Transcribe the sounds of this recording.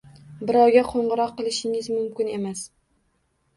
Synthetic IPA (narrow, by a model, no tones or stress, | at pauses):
bɪɾɒwɡʲaqʰoɴʁɨɾɒqːɨlˠɪʃɪŋɪzmʊmkʲɪne̞mas